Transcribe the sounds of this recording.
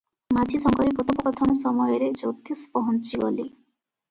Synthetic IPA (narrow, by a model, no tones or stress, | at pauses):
mad͡ʒʰʱisɔŋkɔɾipɾot̪ʰɔpɔkɔt̪ʰɔnɔsɔmɔjɔɾed͡ʒot̪ʰispɔɦɔnt͡ʃiɡɔ̰li